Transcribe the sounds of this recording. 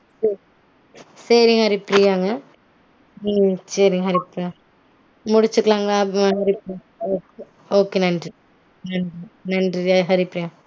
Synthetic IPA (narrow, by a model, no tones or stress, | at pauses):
sɐɾ | sɐɾɪŋɡɐɦɐɾɪpːɾijaːŋɡɐ | sɐɾɪŋɡɐɦɐɾɪpːɾaː | mʊɽɪt͡ʃːɯkːɐɭaːŋɡɐɭaːɦɐɾɪpɾ | oːke | oːkeːnɐndri | nɐndrinɐndriɦɐɾɪpːɾijaː